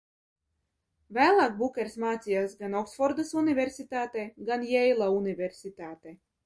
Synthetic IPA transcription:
væːlˠaːk̚bukʲɛɾsmaːt̪sʲijaːsɡanɔksfɔɾd̪asunivʲeɾsʲit̪aːt̪eɡanjɛjlˠaunivʲeɾsʲit̪aːt̪e

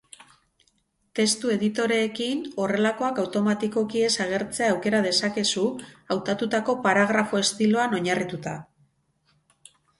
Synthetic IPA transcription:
t̪e̞st̪ue̞ðit̪o̞ɾe̞ːkino̞re̞lako̞akawt̪o̞mat̪iko̞kie̞saɣ̞e̞ɾt͡se̞aːwke̞ɾað̞e̞sake̞suawt̪at̪ut̪ako̞paɾaɣ̞ɾafo̞e̞st̪ilo̞ano̞ɲarit̪ut̪a

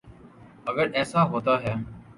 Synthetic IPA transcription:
əɡəɾɛːsaːɦoːt̪aːɦɛː

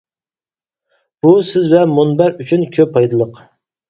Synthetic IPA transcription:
b̥usɪzvɛmunbæɾyt͡ʃʰynkʲʰøpʰɑjd̪ɨlˠəq

